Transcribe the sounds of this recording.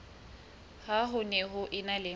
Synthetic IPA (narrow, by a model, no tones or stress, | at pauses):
haɦʊnɛɦʊʔɪnalɪ